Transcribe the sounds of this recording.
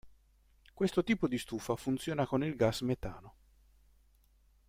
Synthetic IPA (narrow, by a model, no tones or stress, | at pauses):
kwest̪ot̪iːpod̪ist̪uːfafunt̪sjoːnakonilɡasmet̪aːno